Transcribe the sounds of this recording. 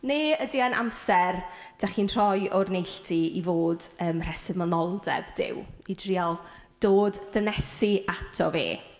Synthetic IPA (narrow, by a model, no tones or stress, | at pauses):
neːədianʔa̰msɛr | d̥aχiːnr̥ɔjɔrnejɬtʰiivoːdəːmr̥ɛsɪðmɔnɔlˠdɛ̰bd̥ɪ̰widrialˠ | d̥oːdd̥ənɛsiʔatʰɔvḛː